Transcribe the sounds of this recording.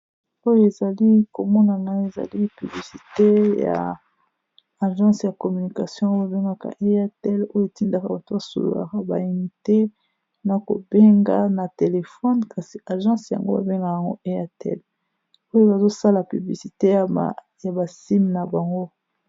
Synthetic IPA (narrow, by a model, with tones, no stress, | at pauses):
o˦jo˦e˨za˨li˦ko˨mɔ˦na˨ŋa˦e˨za̰˨li˦py˨bli˨si˨te˦ja̰˨ | ʒɑ̃˦sja˨kɔ˨my˨ni˨ka˨sjɔ̃˦o˦ba˨be˦ŋɡa˦ka̰˨ʔe˦a˦tɛ˦lo˦jo˦e˨ti˦nda˨ka˨ba˨tu˦ba˨so̰˨lo̰˨la̰˨ka˨ba̰˨i˨ni˨te˦ | na˨ko̰˨be˦ŋɡa̰˦na˨te˨le˨fɔ˦nkʰa˨si˦a˨ʒɑ̃˦sja̰˨ŋɡo˦ba̰˨be˦ŋɡa˨a˨ŋɡo̰˦ʔe˦a˦tɛ̰˦˨l | o˦jo˦ba˨zo˦sa˦la˨py˨bli˨si˨te˦˨ | ja˨ba˨si˦mna˨ba˨ŋɡo˦